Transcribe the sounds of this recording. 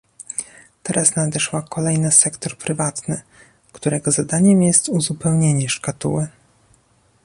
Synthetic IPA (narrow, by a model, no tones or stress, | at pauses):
t̪ɛɾʔasnad̪ɛʂwakʰɔlɛjnasɛkt̪ɔɾpɾɘvat̪nɘ | kt̪uɾɛɡɔzad̪aɲɛmjɛst̪uzupɛwɲeɲɛʂkat̪ṵwɘ